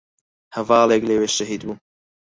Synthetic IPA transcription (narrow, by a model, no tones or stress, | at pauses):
hɐvɑːlˠekleːweːʃɐɦiːd̪buː